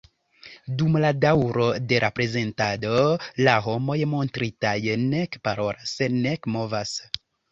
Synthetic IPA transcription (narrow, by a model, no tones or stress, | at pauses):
dumladawɾo̞de̞ɾʔapɾe̞ze̞ntado̞laɦo̞mo̞jmo̞ntɾitajne̞kpaɾo̞ɾasenekmo̞vas